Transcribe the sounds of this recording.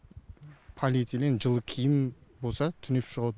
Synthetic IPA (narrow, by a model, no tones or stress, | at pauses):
pʰolʲit̪ilenʒəlˠəkʲʰijɪmbo̞lˠsɑt̪ʰʏnepʃəʁɑ